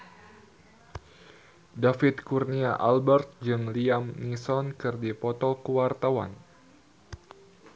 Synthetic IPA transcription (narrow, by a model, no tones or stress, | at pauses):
dafit̪̚kurniaʔalbɛrt̪̚d͡ʒɨŋliamnisɔnkɨrdipɔt̪ɔkəwart̪awa̰n